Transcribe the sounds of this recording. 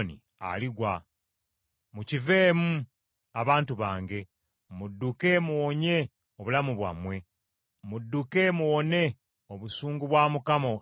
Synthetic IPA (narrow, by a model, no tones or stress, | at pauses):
nḭ | a̰liɡwa | mucive̞ːmu | aβaːntuβaːŋɡe̞ | mudːuke̞muwoɲe̞ | oβulamuβwa̰mwe̞ | mudːuke̞muwone̞ | oβusuːŋɡuβwaːmukamo